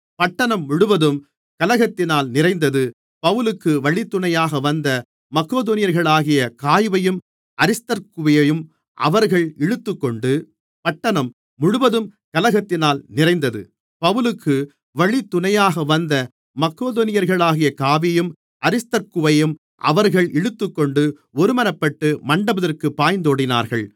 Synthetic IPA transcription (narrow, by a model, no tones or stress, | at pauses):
pɐʈːɐɳɐmːʊɽɯʋɐðɯm | kɐlɐɣɐt̪ːɪnaːlnɪrɐɪnd̪ɐðɯ | pɐʋɯlɯkːɯʋɐɭɪt̪ːʊɳɐjaːɣɐʋɐnd̪ɐ | mɐkːoːðonɪjɐɾɣɐɭaːɣɪjɐkaːjʋɐjɯm | ʔɐɾɪst̪ɐɾkɯʋɐjɐjɯm | ʔɐ̰ʋɐɾɣɐɭɛɻɯt̪ːɯkːɔɳɖɯ | pɐʈːɐɳɐmː | ʊɽʊʋɐðɯmkɐlɐɣɐt̪ːɪnaːlnɪrɐɪnd̪ɐðɯ̰ | pɐʋɯlɯkʰːɯ | ʋɐɭit̪ːʊnɐjaːɣɐʋɐnd̪ɐ | mɐkːoːðoːnɪjɐɾɣɐɭaːɣɪjɐkaːʋɪjɯm | ʔɐɾɪst̪ɐɾkɯʋɐjɯm | ʔɐ̰ʋɐɾɣɐɭɛɻɯt̪ːɯkːɔɳɖɯ | ɔɾɯmɐnɐpːɐʈːɯmɐɳɖɐbɐðɐrkɯpːaːjnd̪oːɽɪna̰ːɾɣɐɭ